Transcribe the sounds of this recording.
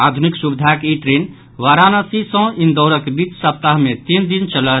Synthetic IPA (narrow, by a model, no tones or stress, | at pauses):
ad̪ʱuniksubid̪ʱakeiʈɾen | ʋaɾanəsisɔ̃ind̪ɔʊɾəkebit͡ʃsəp̚t̪aɦmet̪ind̪int͡ʃələ